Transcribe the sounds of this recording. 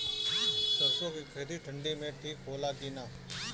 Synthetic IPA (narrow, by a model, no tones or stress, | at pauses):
səɾsoːkikʰɾɪt̪iːʈʰəɳɖiːmet̪ʰiːkʰoːlakiːna